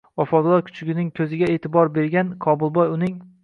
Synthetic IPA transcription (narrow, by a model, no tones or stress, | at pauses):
vɒfɒd̪lˠɒɾkʰʊ̥t͡ʃʰɪɡʲɪnɪŋkʲʰɵzɪɡʲaet̪ʰɪbɒɾbe̞ɾɡʲankʰɒbʊlˠbɒjʊnɪŋ